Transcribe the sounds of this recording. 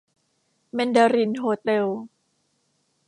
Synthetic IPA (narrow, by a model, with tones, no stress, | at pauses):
mɛ˧nda˧ɾi˧˩nɦoː˧t̪e˧w